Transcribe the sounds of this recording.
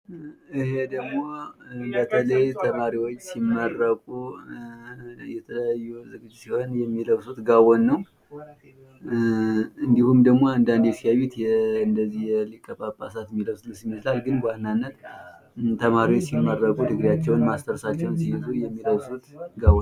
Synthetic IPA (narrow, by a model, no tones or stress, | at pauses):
ʔɨhe̞d̪əɡmo̞bət̪ʰələjt̪ʰəmaɾiwot͡ʃːsimːərːəkʼu | jɛt̪ʰələjajːuzɨɡɨd͡ʒːsiho̞njɛmːiləwsut̪ɡawonːəw | ɨnd̪ihumd̪əɡmo̞and̪and̪ɛsijaβit̪jɛɨnd̪əzːihjɛlikʼːəpʼapʼasat̪mːiləwslsɪmːət͡ʃlalɡɨnbahnanːət̪ | t̪ʰəmaɾiwot͡ʃːsimːərːəkʼud̪ʰɨɡɾjat͡ʃːɛwnmast̪ʰəɾsat͡ʃːɛwnsijɪzujɛmːiləwsut̪ɡaw